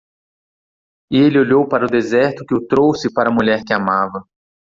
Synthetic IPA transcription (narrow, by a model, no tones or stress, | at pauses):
ɪelɪoʎowpaɾɐʊd̪ezɛɾt̪ʊkɪʊt̪ɾowsɪpaɾɐmuʎɛɾkɪamavɐ